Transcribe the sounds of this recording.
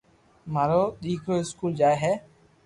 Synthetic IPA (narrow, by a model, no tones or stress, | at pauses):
maːɾoːɗ̪iːkʰoːɪskuːld͡ʒaːeɦɛː